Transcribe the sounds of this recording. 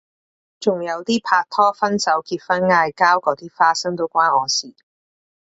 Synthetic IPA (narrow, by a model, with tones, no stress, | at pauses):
t͡sʊ˨˩ŋjɐ˨˧wt̪iː˥pʰaː˧k̚t̪ʰɔː˥fɐ˥nsɐ˨˥wkiː˧t̚fɐ˥nŋaː˧jkaː˥wkɔː˨˧˥t̪iː˥faː˥sɐ˥ŋt̪o˥wkʷaː˥nɔː˨˧siː˨˩